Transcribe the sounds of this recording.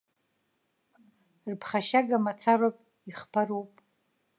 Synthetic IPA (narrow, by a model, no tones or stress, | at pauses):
rpʰχaʃaɡamat͡sʰarapʼ | iχpʰaɾupʼ